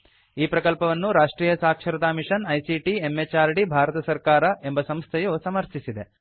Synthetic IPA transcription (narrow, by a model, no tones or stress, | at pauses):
iːpɾɐkɐlpɐʋɐnːuɾaːʂʈɾiːjɐsaːkʂɐɾɐt̪aːmiʂɐnɐjsiʈiemːet͡ʃaːɾɖibʱaːɾɐt̪ɐsɐɾkaːɾɐʔe̞mbɐsɐmst̪ʰejusɐmɐɾt̪isid̪e̞